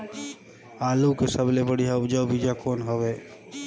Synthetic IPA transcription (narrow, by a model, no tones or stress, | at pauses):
aːlukesəblebəɽijɦad͡ʒəʊbʱid͡ʒakoːnɦoʋeː